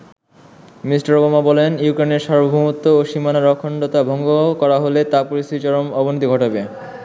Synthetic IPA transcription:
misʈaɾkomabɔlenjukɾeneɾʃaɾbobʱumut̪ːooʃimanaɾɔkʰːoɳɖot̪abʱɔŋɡokɔɾaɦolet̪apoɾist̪ʰiit͡ɕɔɾomɔbonit̪iɡʱɔʈobe

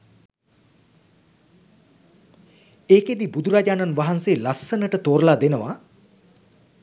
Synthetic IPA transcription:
eːked̪ibud̪uɾad͡ʒaːnanʋaɦanseːlasːənəʈət̪oːɾlad̪enəʋa

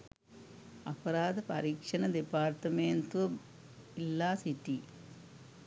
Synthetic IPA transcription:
ɐpɐɾaːd̪ɐpɐɾiːkʂɐnɐd̪ipaːɾt̪ɐmeːnt̪uʋɐ | ilːaːsiʈːi

